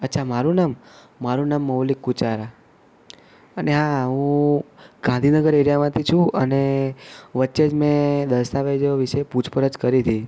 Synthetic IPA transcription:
ətːt͡ʃʰamaɾũnamː | aɾũnamːəwlikːut͡ʃaɾa | əneɦaɦũ | ɡ̥ãnd̪ʱinəɡəɾeɾjamãt̪ʰit͡ʃʰũəne | ʋətːʃed͡ʒmẽd̪əɾsaʋed͡ʒoʋiʃeput͡ʃʰpəɾəd͡ʒkəɾit̪ʰi

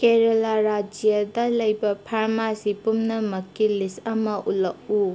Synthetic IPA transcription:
keɾɐlaɾad͡ʒijɐdɐlɐjbɐpʰaɾmasipumnɐmɐkːilisɐmɐʔulɐku

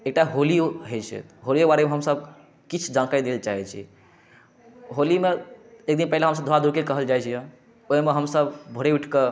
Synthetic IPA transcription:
ek̚ʈaɦolioɦet͡ʃʰɛ̰ɦolijobaɾemeɦəmsəb | kit͡ʃʰd͡ʒãnkaid̪elt͡ʃaɦɛt͡ʃʰḭ | ɦolimeek̚d̪inpɛɦileɦəms̬əb̚d̪ʱoad̪ʱuɾkelkəɦəld͡ʒajt͡ʃʰijɛ̃ | oɦimeɦəmsəbbʱoɽeiʈʰke

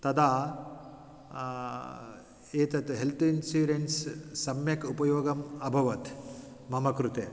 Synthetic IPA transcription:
t̪ɐd̪aː | eːt̪ɐt̪ɦelt̪ʰuinsuːɾenssɐmjɐkupɐjoːɡɐmɐbʱɐʋɐt̪ | mɐmɐkɾut̪eː

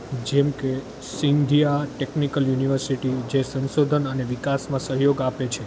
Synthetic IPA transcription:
d͡ʒɛmke | sind̪ʱijaʈeknikəljuniʋəɾsiʈid͡ʒesə̃nʃod̪ʱənəneʋikasmãsəɦjoɡapet͡ʃʰe

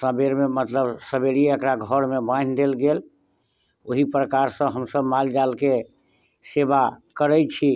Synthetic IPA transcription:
səbeɾmemət̪ləbsəbeɽiəkɾaɡʱəɾmebãnd̪elɡel | oɦipɾəkaɾsə̃ɦəmsəbmald͡ʒalke | sebakəɾɛt͡ʃʰi

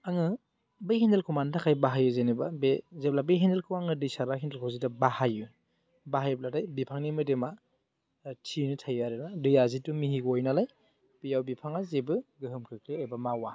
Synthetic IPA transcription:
aŋɯ | bɯjhindelkʰuwmantʰakʰajbaɦajuzenibabezep̚labeɦindelkʰɯwaŋɯdijsabaɦʰindelkʰawzitabahaju | baɦajb̚ladajbipʰaŋnimɯdema | tʰinɯtʰajaɾɯnadɯjazitumihiɡojnalaj | b̥ijawbipʰaŋazebɯɡɯɦɯmkʰɯkʰleebamawa

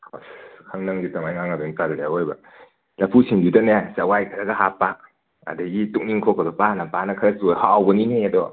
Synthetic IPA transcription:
askʰaŋnaŋɡitamajŋaŋabeŋitaɾljawojba | lɐpʰusiŋbidanajasawajkʰaɾaɡaɦapːak̚ | a̰daɡituk̚niŋkʰɔkadɔpanapanakʰaɾasujhaawbɐnineadɔ

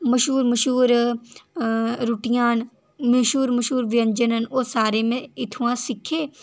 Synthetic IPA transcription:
mɐʃuːɾməʃuːɾ | ɾuʈijãːn | meʃuːɾmɐʃuːɾʋɪjɐ̃ɲd͡ʒənənoːsaːɾemẽɪt̪ʰuwãsɪkʰeː

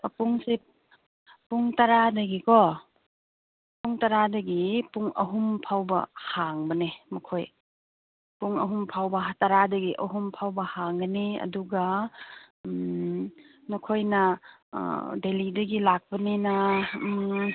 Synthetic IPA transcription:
puŋsip | puŋtɐɾadɐɡikɔ | puŋtɐɾadɐɡipuŋɐ̰ɦumpʰawbɐ̰haŋbɐnemɐkʰoj | puŋɐɦumpʰawbɐɦtɐɾadɐɡiʔɐɦumpʰawbɐhaŋɡɐniɐ̰duɡa | nukʰojnɐ̰ | delidɐɡilak̚pɐninɐ

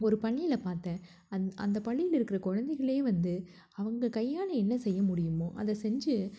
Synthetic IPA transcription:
ɔɾɯpɐɳːɪjɪlɐpaːɾt̪ɛ̃ː | ɐɐ̰nd̪ɐpɐɭːɪjɪlɪɾɯkːɪɾɐkɔɻɐnd̪ɐɪɣɐɭeːʋɐnd̪ɯ | ɐʋɐŋɡɐkɐjːaːnɐɛnːɐsɛjːɐmʊɽɪjɯmõːʔɐ̰ðɐsɛɲd͡ʒɯ

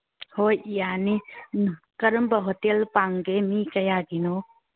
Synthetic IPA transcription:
hojijani | kɐɾəmbɐɦotelpaŋɡemikɐjaɡino

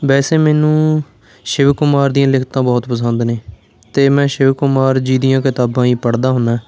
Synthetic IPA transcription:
bɛːseːmɛːnũː | ʃɪʋkːʊmaːɾd̪ɪijãːlɪkʰt̪ãːbɔːt̪pəsənd̪neː | t̪eːmɛ̃ːʃɪʋkːʊmaːɾd͡ʒiːd̪ijãːkɪt̪aːbãːiːpəɽd̪aːɦʊnaː

